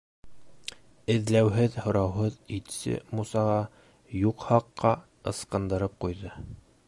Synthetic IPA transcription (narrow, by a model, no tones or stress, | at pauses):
ɘ̆ðlæwɦɘðhŏɾɑwɦɤðit̪sɘ̰musɑʁɑ | juqhɑqːɑ | ɤ̆sqɤ̆nd̪ɤ̆ɾɤp̚qujðɤ